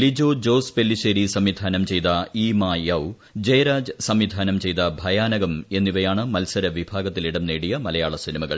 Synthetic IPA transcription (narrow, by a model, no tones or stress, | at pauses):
lid͡ʑoːd͡ʑo̞ːspelːiɕeːɾisɐmʋid̪ʱaːnɐmt͡ɕe̞jt̪ɐiːmaːjɐw | d͡ʑɐjɐɾaːd͡ʑɨsɐmʋid̪ʱaːnɐmt͡ɕe̞jt̪ɐbʱɐjaːnɐɡɐme̞nːiʋɐjaːɳɨmɐlsɐɾɐʋibʱaːɡɐt̪ːiliɽɐmneːɽijɐmɐlɐjaːɭɐsinimɐɣɐ̰ɭ